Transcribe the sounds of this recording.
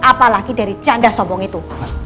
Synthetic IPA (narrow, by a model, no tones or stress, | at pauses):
apalaɡ̥id̥a̤ɾit͡ʃanɖasɔmɔŋit̪u